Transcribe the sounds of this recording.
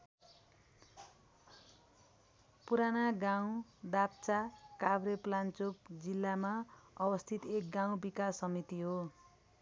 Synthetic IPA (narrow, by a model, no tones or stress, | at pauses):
puɾanaɡaw̃d̪ap̚t͡sakabɾeplant͡sukd͡zilːamaʌbʌst̪ʰit̪ek̚ɡaw̃bikasːʌmit̪iɦo